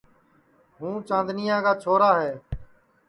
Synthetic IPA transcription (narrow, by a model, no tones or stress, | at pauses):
ɦũːt͡ʃãːnd̪nɪjãːkaːt͡ʃʰoːɾaːɦɛː